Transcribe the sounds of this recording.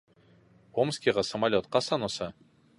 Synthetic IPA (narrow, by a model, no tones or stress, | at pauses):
omskʲiʁɑsə̆malʲot̪̚qɑsɑnosɤ